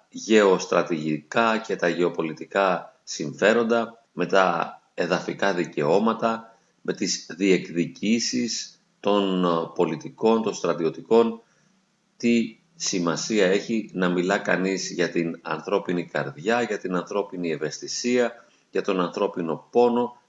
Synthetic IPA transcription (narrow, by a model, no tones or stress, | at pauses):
ʝe̞o̞st̪ɾɐt̪iʝikɐce̞t̪ɐʝe̞o̞po̞lit̪ikɐsiɱfe̞ɾo̞nd̪ɐ | me̞t̪ɐ | e̞ðɐfikɐðice̞o̞mɐt̪ɐ | mʔe̞t̪izðie̞kðicisis | t̪o̞npo̞lit̪iko̞nt̪o̞nst̪ɾɐt̪io̞t̪iko̞n | t̪i | simɐsiɐe̞çinɐmilɐkɐnizʝɐt̪inɐ̰nθɾo̞pinikɐ̰ɾðʝɐʝɐt̪inɐnθɾo̞pinieve̞st̪isiɐ | ʝɐt̪o̞nɐnθɾo̞pino̞po̞no̞